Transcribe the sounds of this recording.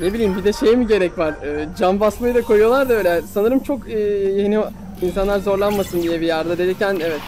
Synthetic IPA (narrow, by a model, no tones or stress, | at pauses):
ne̞bilʲijːimbid̪ɛʃejmiɟe̞ɾɛcvaɾɯːd͡ʒambasmajɯd̪akʰo̞jujo̞lˠaɾd̪aø̞ːlʲɛsanɯɾɯmt͡ʃʰo̞kɯjeni | insanlˠaɾzo̞ɾlˠanmasɯnd̪ijɛbijaɾd̪ad̪e̞ɾɛcænevɛt̪